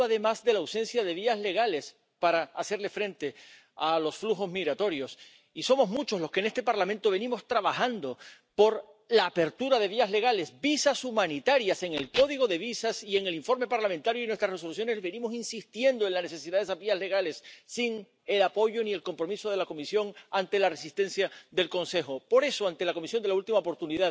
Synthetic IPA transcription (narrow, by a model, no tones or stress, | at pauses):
aðe̞mazðe̞lawsẽ̞nsjaðe̞β̞iazle̞ɣale̞s | paɾaːse̞ɾle̞fɾẽ̞nt̪e̞ | alo̞sfluxo̞zmiɣɾat̪o̞ɾjo̞s | iso̞mo̞zmut͡ʃo̞slo̞skene̞st̪e̞paɾlamẽnt̪o̞βe̞nĩmo̞st̪ɾaβaxãnd̪o̞ | po̞ɾ | laːpe̞ɾt̪uɾaðe̞βiazle̞ɣ̞ale̞sbisasumãnit̪aɾjase̞ŋe̞lko̞ðiɣo̞ðe̞βisasie̞ŋe̞liɱfo̞ɾme̞paɾlamẽnt̪aɾjoinwest̪ɾareso̞luθ̬jo̞ne̞zβe̞nĩmo̞sinsist̪je̞nd̪oe̞nlane̞θe̞siðaðe̞sazβiazle̞ɣale̞sːiŋ | e̞lapo̞ʝo̞nie̞lko̞mpɾo̞miso̞ðe̞lako̞misjo̞ŋant̪e̞lare̞sist̪e̞nθjaðe̞lkõ̞nse̞xopo̞ɾe̞soant̪e̞lako̞misjo̞nd̪e̞lault̪imaopo̞ɾt̪uniða